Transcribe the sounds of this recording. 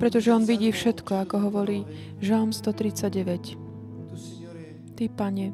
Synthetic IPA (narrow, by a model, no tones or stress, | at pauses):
pɾɛt̪ɔʒɛɔnʋiɟiːfʃɛt̪kɔakɔɦɔʋɔɾiː | ʒalmst̪ɔt̪ɾit͡saɟɛʋɛc | t̪ipaɲɛ